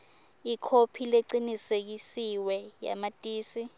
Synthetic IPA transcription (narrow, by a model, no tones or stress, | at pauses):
ikʰopʰileǀinisek̬isiwɛja̰matʼiːsi